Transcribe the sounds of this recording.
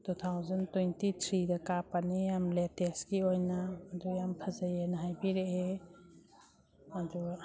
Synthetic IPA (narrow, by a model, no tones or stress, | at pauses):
tutʰawzɐntwentitʰɾidɐkapanijamleteskiojnaːdujampʰɐzɐjenɐɦajbiɾee | adu